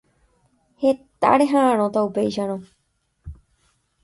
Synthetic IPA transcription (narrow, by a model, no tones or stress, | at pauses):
he̞t̪a̰ɾe̞ɦããɾ̃õt̪aupe̞jʃaɾ̃õ